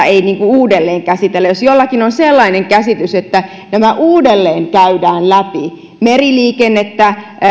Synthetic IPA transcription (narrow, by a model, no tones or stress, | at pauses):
einiːŋkuuːdelːeːŋkæsit̪elːæjosjolːɑkinonselːɑineŋkæsit̪yset̪ːæ | næmæʔuːdelːeːŋkæydæːnlæpi | meriliːkenːet̪ːæ